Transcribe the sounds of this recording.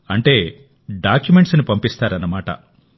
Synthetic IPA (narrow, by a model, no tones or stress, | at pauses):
ɐɳʈe̞ː | ɖaːkjume̞ɳʈsnipɐmpist̪aːɾɐnːɐmaːʈɐ̰